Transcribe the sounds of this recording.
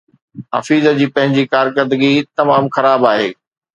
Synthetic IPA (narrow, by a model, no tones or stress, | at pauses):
ɦɐ̰fiːzəd͡ʑiːpɐ̃ɦɪ̃ɲd͡ʑiːkaːɾkəɾd̪əɡit̪ɐmaːmxɐɾaːbaːɦḛː